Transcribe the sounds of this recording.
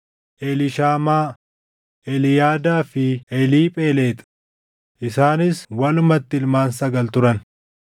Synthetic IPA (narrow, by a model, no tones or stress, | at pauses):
ʔɛlɪʃaːmaː | ʔɛlɪjaːd̪aːfɪɛliːpʼe̞ːle̞ːt̪ʼɐ̥ | ʔɪsaːnɪswɐlʊmɐt̪ːɪlmaːnsɐɡɐlt̪ʊɾɐn